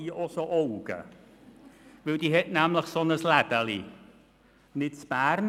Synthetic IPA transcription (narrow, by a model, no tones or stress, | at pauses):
iʔɔsoʔowɡ̥ə̰ | vɪldiɦɛtnæmləχsɔnəslæd̥əli | nɪtspærn